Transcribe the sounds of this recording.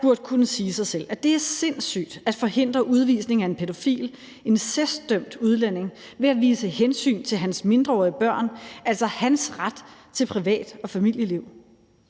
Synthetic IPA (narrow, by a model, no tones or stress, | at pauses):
b̥uɐ̰d̥̚kʰunəsiːsɑ̈ɪsel̰æd̥e̝æɐse̝n̰sy̰ːd̥æd̥fɒ̽he̝n̰d̥ʁɐʔuð̞ˠʋḭːsne̝ŋæe̝npʰe̝d̥o̝fḭːl | e̝nsesd̥œm̰d̥uð̞ˠlæn̰e̝ŋ | ʋe̝æʋiːsəhensy̰ːnt͡sʰe̝lɦænsme̝nd̥ʁɐɒ̰ːiəb̥ɶɐ̰nʔæl̰sɒ̽hænsʁad̥t͡sʰe̝lpʰʁiʋɛ̰ːd̥ɒ̽fæmil̰jəliʊ̰